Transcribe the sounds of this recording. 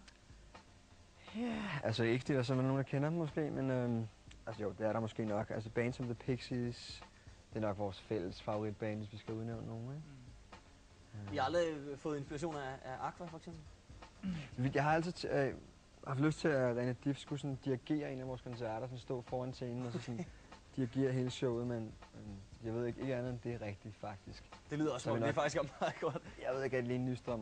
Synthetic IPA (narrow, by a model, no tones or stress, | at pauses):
jæælsəeɡ̥sd̥idɐs̬ɒ̽mæno̝ːnd̥kʰenɐm̩ːɒ̽sɡ̥e̝̰ːmenømʔælsəjo̰d̥e̝æɐɾɑ̈mɒ̽sɡ̥e̝̰ːnɒ̽ɡ̥æls̬əb̥ɛ̰ːnsɒ̽mðəpʰeɡ̥sis | d̥e̝ænɒ̽ɡ̥ʋɒːsfel̰əsfɑ̈ʊʁid̥̚b̥ɛ̰ːnʋe̝sʋisɡ̥æuðˠneʊ̰nnːo̝ːn̩eɡ̥ | ihɑ̈æld̥ʁifɔ̽ːðˠe̝nsb̥ilæɕ̬o̝̰ːnææʔɑ̈kʰʋæfɒ̽eɡ̥sem̰b̥l̩ | iʋi̥jɑhɑ̈æl̰sit͡sʰ | ɑ̈fd̥løsd̥t͡sʰe̝læʁɛnəd̥ifsɡ̥usɔ̽nd̥iæɡ̥e̝̰ːɐe̝ːnæʋɒːskʰɒ̽nsæɐɾ̥ɐsɒ̽nsd̥ɔ̰̽ːfɒːænt͡sʰeenn̩ɒ̽sɒ̽sɔ̽n | d̥iæɡ̥e̝̰ːɐɦe̝ːləɕɔʊ̰ð̩ˠmen | jɑ̈ʋe̝ð̞̰ˠeɡe̝ɡ̥əænð̩ˠɒmd̥e̝æʁɛɡ̥̚d̥i̥fɑ̈ɡ̥̚d̥isɡ̥d̥e̝lið̰ˠɐɒsmnefɡ̥isɡ̥æmɑðˠɡ̥ɒd̥jɑ̈ɪʋe̝ð̞ˠe̝ɡ̥æd̥eliːn̩ːysd̥ʁɶm̰